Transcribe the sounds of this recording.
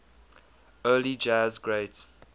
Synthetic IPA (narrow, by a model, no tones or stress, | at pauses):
ɜːlid͡ʒazɡɹeɪt